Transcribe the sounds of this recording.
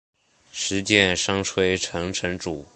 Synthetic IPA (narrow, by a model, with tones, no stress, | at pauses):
ʂɻ̩˧˥t͡ɕjɛ˥˧nʂɑ˥ŋʈ͡ʂʰwe˥ɪʈ͡ʂʰɤ˧˥ŋʈ͡ʂʰɤ˧˥ŋʈ͡ʂu˨˩˦